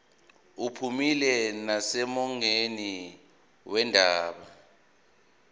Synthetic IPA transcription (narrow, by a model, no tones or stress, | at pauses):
upʰumilɛnasɛmɔŋeni | wɛndʱaːɓa